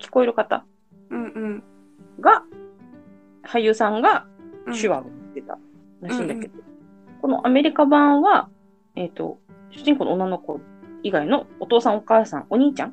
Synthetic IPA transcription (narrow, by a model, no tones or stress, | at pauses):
kʲi̥ko̞eɾɯ̟kat̪a̰ | ɡa | hajɯ̟sãŋɡaɕɨβaɡot̪ːe̞t̪a̰ | ɾaɕĩːnd̪ake̞d̪o̥ | ko̞no̞̰ʔame̞ɾʲikabãβa | et̪o̞̰ɕɨ̥ʑĩŋko̞noonːano̞ko̞ | iɡainoot̪o̞ːsãɰ̃o̞kaːsã̰ŋo̞ɲ̟iːt͡ɕãŋ